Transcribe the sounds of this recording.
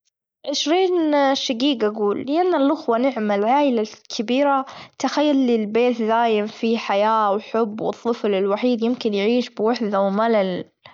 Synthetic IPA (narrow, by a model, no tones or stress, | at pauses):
ʕɪʃɾiːnʃaɡiːɡʔaɡuːlːɪʔanːalʔʊxwanɪʕmalʕaːʔɪlalkʰɪbiːɾat̪axajːalːɪlbeːt̪ðaːjɪmfiħajaːwħʊbːwɨ̰t̪ˤːɨflɪlwaħiːd̪jɪmkɪnjʕiːʃbɪwaħd̪awmalal